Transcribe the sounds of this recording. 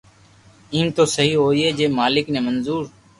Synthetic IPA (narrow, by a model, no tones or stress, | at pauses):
iːmt̪oːsəɦiːɦoːiːeːd͡ʒeːmaːlɪknẽːmənzuːɾ